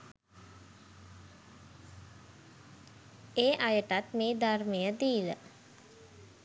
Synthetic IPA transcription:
eːʔajəʈat̪meːd̪armejəd̪iːʋə

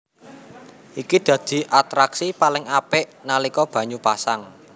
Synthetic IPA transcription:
ʔikid̪̥ä̤d̪̥i̤ʔat̪ɾaksipalɪŋapɪʔnalikɔb̥a̤ɲupasaŋ

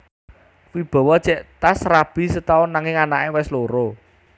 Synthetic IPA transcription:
wib̥ɔ̤wɔd̥t͡ʃɛʔt̪asrab̥i̤sət̪aʊnːaŋɪŋanaʔewɛsloɾo

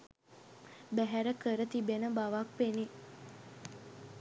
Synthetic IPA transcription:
bæɦæɾəkəɾət̪ibenəbaʋakʋene

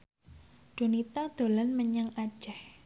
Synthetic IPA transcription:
ɖ̥o̤nit̪ad̪̥o̤lanməɲəŋad̥ʒ̥ɛh

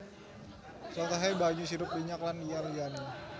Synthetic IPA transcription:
sɔlt̪aɦajbaɲusiɾʊp̚biɲaklanijalijana

